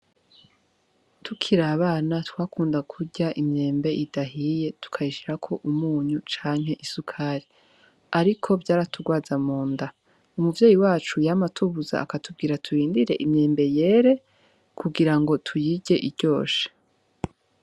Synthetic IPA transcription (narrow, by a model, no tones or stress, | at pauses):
tʰukʰiɾaβaːnatwaːkuːndakʰuɟaʔimɲe̞ːmbe̞ʔidaɦije̞tu̥kʰaiʃiɾakʰo̞ʔumuːɲut͡ʃaːŋɦe̞ʔisukʰaɾi | aɾikʰo̞bɟaːɾatʰuɡwaːzamuːnda | umuvje̞ːjiwaːt͡ʃujamatʰuβuza̰ːkatub̚ɡiːɾatʰuɾiːndiɾe̞ʔimɲe̞ːmbe̞je̞ːɾe̞ | kʰuɡiɾaŋɡo̞tʰujiɟe̞ʔiɾɟo̞ːʃe̥